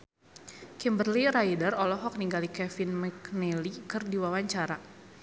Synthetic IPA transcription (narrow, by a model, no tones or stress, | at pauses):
kimbərliɾajidərɔlɔɦɔk̚niŋɡalikɛfinmɛknɛlikərdiwawaɲt͡ʃaɾa